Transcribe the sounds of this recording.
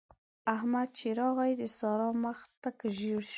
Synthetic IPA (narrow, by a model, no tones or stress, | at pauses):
ahmad̪̚t͡ʃiɾɑɣajd̪əsɑɾɑmaxt̪akəʒiɽʃ